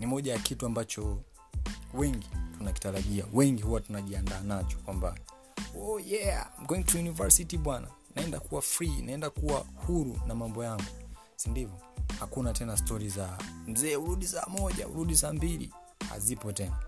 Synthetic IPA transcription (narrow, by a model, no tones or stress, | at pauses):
nimɔʄajakituambat͡ʃɔ | wɛŋɡitunaki̥taɾaʄiawɛŋɡihuwatunaʄiandaːnat͡ʃɔ̥kwamba̰ | ɔjɛa̰m̩ɡɛŋtujunivaɹsitiɓwana̰ | naɛndakuwafɾinaɛndakuwahuɾunamambɔjaŋɡu | sindivɔhakunatɛnastɔɾizam̩zɛːuɾuɗisa̰ːmɔʄa̰ṵɾuɗisaːmbilḭ | ha̰zipɔtɛna